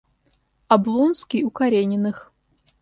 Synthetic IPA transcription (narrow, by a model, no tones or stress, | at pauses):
ɐblˠunskʲijʊkɐɾʲenʲɪnɨx